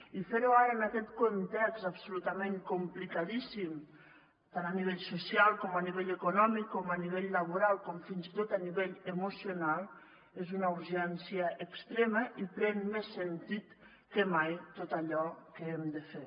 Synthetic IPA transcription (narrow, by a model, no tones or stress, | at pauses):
ifeɾuaɾəːnakɛt̪kont̪ɛkzapsulut̪ameŋkumplikaðisim | t̪ananiβ̞eʎsusjalˠkɔmaniβeʎəkunɔmikːɔmaniβ̞eʎləβuɾalˠkɔmfinzit̪ot̪aniβeʎəmusijunalˠ | ezunəuɾʒɛnsiəʔəkst̪ɾeməʔipɾɛnmesːənt̪it̪ | kəmajt̪ot̪aʎɔkəemd̪əfe